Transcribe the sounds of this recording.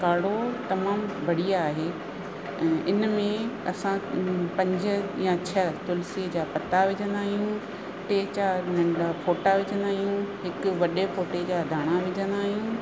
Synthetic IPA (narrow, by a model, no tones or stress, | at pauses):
kaːɽ̤ot̪ɐmaːmbʱɐɽijaːɦeː | ɪnmẽɐsãpɐ̃ɲd͡ʑʊ̆jãt͡ɕʰɐt̪ʊlsiəd͡ʑaːpɐt̪aʋɪd͡ʑə̃nd̪aːɦijũ | ʈeːt͡ɕaːɾnɐ̃ɳɖafoːʈaʋɪd͡ʑə̃nd̪aːɦijũɦɪkʊʋɐɗefoːʈed͡ʑaːd̪ʱaːɽ̃aʋɪd͡ʑʱə̃nd̪aːɦijũ